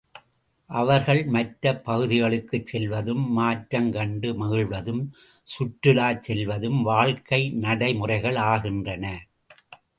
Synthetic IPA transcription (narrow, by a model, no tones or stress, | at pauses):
ʔɐʋɐɾɣɐɭmɐʈɾɐpːɐɣɯðɪɣɐɭɯkːɯt͡ʃsɛlʋɐðɯmːaːʈɾɐŋkɐɳɖɯmɐɣɪɭʋɐðɯm | sʊʈɾɯlaːt͡ʃsɛlʋɐðɯmʋaːɭkɐɪnɐɽɐɪmʊrɐɪɣɐɭaːɣɪndrɐnɐ